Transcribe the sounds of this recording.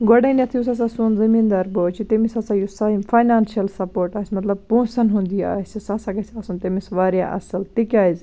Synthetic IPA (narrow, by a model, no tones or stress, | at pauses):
ɡoɽɐniɐt̪ʰjus̬ɐs̬asunzɐmiːnd̪aːɾboːt͡ʃʰit̪emisɐsajusɐfʰaːjnaːnʃijɐlsɐpoːɾʈaːsʲmɐt̪lɐb̚põːsɐnɦũnd̪ia̰ːsʲisɐsɐɡɐsʲaːsunt̪emisʋaːɾja̰ʔɐ̰sɐlt̪ikʲaːizʲ